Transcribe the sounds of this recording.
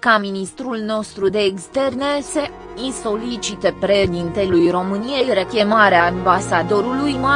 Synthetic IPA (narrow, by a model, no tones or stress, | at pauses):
kaminist̪ɾulno̞st̪ɾud̪e̞ːkst̪e̞rnese | inso̞lit͡ʃit̪epɾed̪int̪elujro̞mɨnije̞jɾekʲe̞maɾeambasad̪o̞ɾulujma